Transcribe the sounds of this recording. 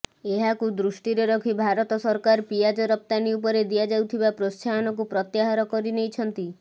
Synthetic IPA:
eɦakud̪ɾusʈiɾeɾɔkʰibʱaɾɔt̪ɔsɔɾkaɾpiad͡ʒɔɾɔp̚t̪aniup̬ɔɾed̪ijad͡ʒawt̪ʰibapɾost͡ʃʰaɔnɔk̬upɾɔt̪jaɦaɾɔkɔɾinejt͡ʃʰɔnt̪i

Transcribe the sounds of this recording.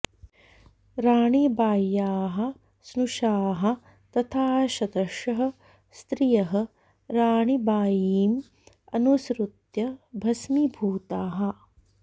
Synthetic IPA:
ɾaːɳibaːjːaːɦɐ̆ | snuʃaːɦɐ̆ | t̪ɐt̪ʰaːʃɐd̪ɐʂɐɦɐ̆ | st̪ɾijɐɦɐ̆ | ɾaːɳibaːjiːm | ɐnusɾut̪jɐbʱɐsmibʱuːt̪aːɦɐ̆

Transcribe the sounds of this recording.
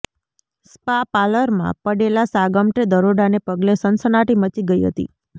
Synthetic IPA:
spapaləɾmã̰pəɽelasaɡəmʈed̪əɾoɖanepəɡlesənsənaʈimət͡ʃiɡəiɦə̰t̪ḭ

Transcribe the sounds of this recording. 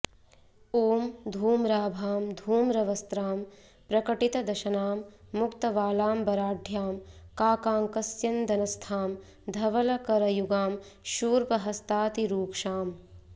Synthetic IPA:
oːmd̪ʱuːmɾaːbʱaːmd̪ʱuːmɾɐʋɐst̪ɾaːm | pɾɐkɐʈit̪ɐd̪ɐʃɐnaːmːukt̪ɐʋaːlaːmbɐɾaːɖʱjaːmkaːkaːŋkɐsjɐnd̪ɐnɐst̪ʰaːm | d̪ʱɐʋɐlɐkɐɾɐjuɡaːmʃuːɾpɐɦɐst̪aːt̪iɾuːkʃaːm

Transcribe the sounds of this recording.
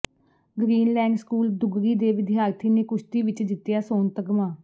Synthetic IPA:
ɡɾiːnlɛ̃ːɡskuːld̪ʊɡɾiːd̪eːʋɪd̪ɪjaːɾt̪ʰiːneːkʊʃt̪iːʋɪt͡ʃd͡ʒ̪ɪt̪jaːsoːnt̪əɡmãː

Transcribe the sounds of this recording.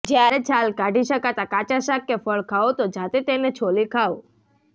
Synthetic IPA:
d͡ʒjaɾet͡ʃʰalkaɖʱiʃəkat̪akat͡ʃaʃakːefəɭkʰaot̪od͡ʒat̪et̪enet͡ʃʰolikʰaʋo

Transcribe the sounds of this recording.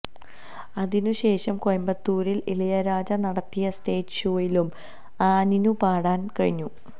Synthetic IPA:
ɐðinuɕe̞ːʂɐmkojɐmbɐt̪ːuːɾililɐjɐɾaːd͡ʑɐnɐɽɐt̪ːijɐste̞ːtʂoːjilum | aːninupaːɽaːnkɐɻiɲːu

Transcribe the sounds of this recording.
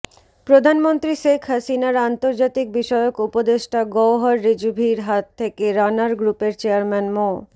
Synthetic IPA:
pɾod̪ʱanmont̪ɾiʃekʰɦasinaɾant̪oɾd͡ʑat̪ik̚biʃɔeokupod̪eʃʈaɡɔwɦɔɾːid͡ʑubʱiɾɦat̪ʰːekeɾanaɾɡɾupeɾt͡ɕeaɾmɛnmɔ

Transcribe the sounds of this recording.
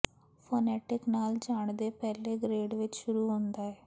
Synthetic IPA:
pʰoːnɛːʈɪknaːld͡ʒaːɳd̪eːpɛːleːɡɾeːɖʋɪt͡ʃʃʊɾuːɦõːnd̪aːɛː

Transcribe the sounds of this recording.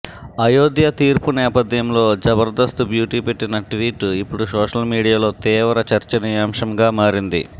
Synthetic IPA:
ɐjoːd̪jɐt̪iːɾpunɛːpɐd̪jɐmlo̞ːd͡ʒɐbɐɾd̪ɐst̪ubjuːʈiːpeʈːinɐʈʋiːʈipːuɽusɔːʂɐlmiːɽijaːlo̞ːt̪iːʋɐɾɐt͡ʃɐɾt͡ʃɐnijaːmʂɐmɡaːmaːɾind̪ḭ

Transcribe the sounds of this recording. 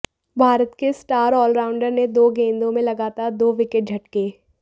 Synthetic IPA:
bʱaːɾət̪kesʈaːɾɔːlɾaːʊ̃ɳɖəɾned̪oːɡẽːnd̪õmẽlɐɡaːt̪aːɾd̪oːʋɪkɪʈ̚d͡ʒʱɐʈkeː

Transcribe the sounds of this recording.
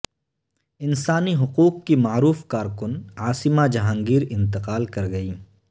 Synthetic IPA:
ɪnsaːniɦʊquːqːimaːɾuːfkaːɾkʊnaːsɪmad͡ʒɐɦãːŋɡiːɾɪ̃nt̪ɪqaːlkɐɾɡɐiː

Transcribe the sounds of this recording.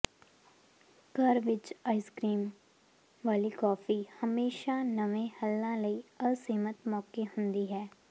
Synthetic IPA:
kɐɾʋɪt͡ʃaːɪskɾiːm | ʋaːlikɔːfihɐmeːʃanɐʋẽhɐlːãlɐiɐsiːmət̪mɔːkehʊ̃nd̪iɦɛː

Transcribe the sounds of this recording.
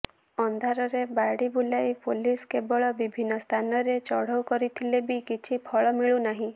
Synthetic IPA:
ɔnd̪ʱaɾɔɾebaɽibulajpoliskebɔɭɔbibʱinːɔst̪ʰanɔɾet͡ʃɔɽ̤ɔwkɔɾit̪ʰilebikit͡ʃʰipʰɔɭɔmiɭunaɦĩ

